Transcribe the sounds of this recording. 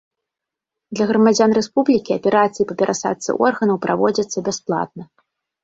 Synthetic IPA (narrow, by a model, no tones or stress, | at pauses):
d̪lʲɐɣɾɐmad͡zʲanrɛspublʲikʲiɐpʲɛɾat̪sɨjipɐpʲɛɾʔasa̰t̪sɨ̰ʔɔrɣɐnɐwpɾʔa̰vɔd͡zʲɐt̪sːɐbʲɛsplˠa̰t̪̚nɐ